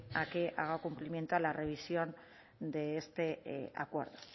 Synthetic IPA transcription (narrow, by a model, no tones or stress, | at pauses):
akeʔa̰ɣakumplimje̞nt̪ualare̞β̞isjo̞n | d̪e̞ːst̪e̞a̰kwe̞ɾðo̥